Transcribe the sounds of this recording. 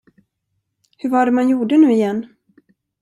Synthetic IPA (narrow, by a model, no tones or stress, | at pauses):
hɵɾvaɖɛmanjuːɖənʉ̟ːɪjɛnː